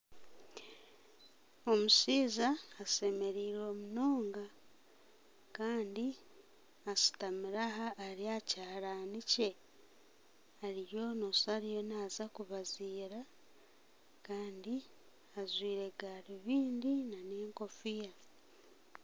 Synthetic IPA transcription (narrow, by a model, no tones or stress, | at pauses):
o̞musiːzaːse̞me̞ɾiːɾo̞ːmunoːŋɡa | kaːndi | asi̥tamiɾaɦaːɾiacaːɾaːnice̞ | aɾijo̞nosaɾijo̞naːzakuβaziːɾa | kaːndi | azwiːɾe̞ɡaːɾiβiːndinaneːŋko̞fija